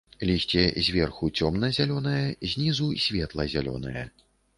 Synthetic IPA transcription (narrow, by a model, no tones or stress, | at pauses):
lʲisʲt͡sʲɛzʲvʲɛrxut͡sʲɔmnɐzʲalʲɔnɐjɐzʲnʲizusʲvʲɛt̪lˠɐzʲalʲɔ̰nɐ̰jɐ